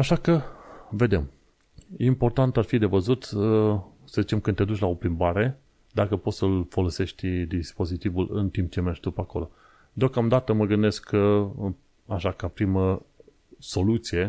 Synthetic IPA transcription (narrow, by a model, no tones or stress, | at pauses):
aʃakəve̞d̪e̞m | impo̞rt̪ant̪arfid̪e̞vəzut̪ | səzit͡ʃe̞mkɨned̪ut͡ʃʲlao̞pɾimbaɾe̞ | d̪akəpo̞t̪səlfo̞lo̞se̞ʃt̪ʲd̪ispo̞zit̪ivulɨ̰nt̪imp̚t͡ʃe̞met͡ʃʲd̪upəako̞̰lo̞ | d̪eo̞kamd̪at̪əməɡɨnd̪e̞sk | aʃakapɾimə | so̞lut̪sije̞